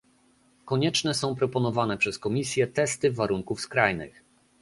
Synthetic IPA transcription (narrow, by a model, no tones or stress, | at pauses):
kɔɲɛt͡ʂnɛsɔ̃w̃pɾɔpɔnɔvanɛpʂɛskɔmʲisʲjɛt̪ɛst̪ɘvaɾuŋkufskɾajnɘ̰x